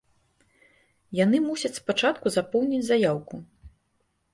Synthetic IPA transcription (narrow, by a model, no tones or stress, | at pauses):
janɨmusʲɐt͡sʲspat͡ʂat̪kuzapɔwnʲit͡sʲzajawku